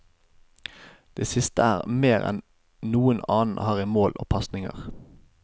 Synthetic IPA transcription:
d̪̥eːsɪst̪əæːʁmeːʁɛ̰n | nuːənɑːnn̩hɑːʁiːmoːlʔo̰ːpʰɑsnɪŋə̰ʁ

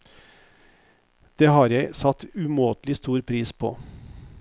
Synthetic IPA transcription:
d̪̥eːhɑːɾjæɪsɑt̪ʉmoːt̪lɪst̪uːɾpʰɾiːspʰo̰ː

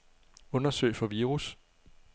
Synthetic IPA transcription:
ɔ̽nɐsø̰ɪ̰fɒ̽ʋiːʁus

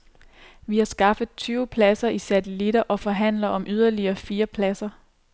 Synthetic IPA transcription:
ʋihɑ̈sɡ̥ɑ̈fəð̩ˠt͡sʰyːʊpʰlæsɐʔisæt͡sʰelid̥ɐʔɒ̽fɒ̽ɦæn̰lɐɒ̽mʔyð̞ˠɐliɐːfiːɐpʰlæsɐ

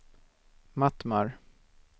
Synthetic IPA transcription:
mat̪maɾ

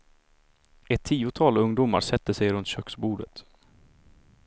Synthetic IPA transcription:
ɛt̪ʰːiːʊt̪ʰɑːlɵŋd̪uːma̰ɾʂɛt̪ːəsɛjɾɵnt̪ɕœksbuːɖət̪

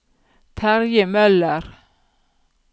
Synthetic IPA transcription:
t̪ʰæɾjəmœlːəɾ

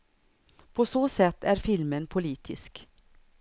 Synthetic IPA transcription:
pʰosoːsɛt̪ːæːɾfɪlmənpʰʊliːt̪ʰɪ̰sk

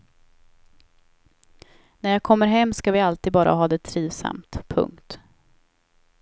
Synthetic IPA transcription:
næɾjaːɡkʰɔmːəɾɦɛmːskavɪalt̪ɪiːd̪̚bɑːɾʔa̰ɦɑːd̪ɛt̪ʰɾiːvsa̰mt̪pʰɵ̰ŋkt̪

